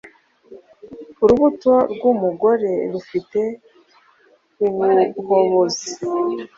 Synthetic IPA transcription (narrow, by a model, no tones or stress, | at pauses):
uɾuβutoɾɡumuɡo̞ɾe̞ɾufite̞ | iŋukoβozi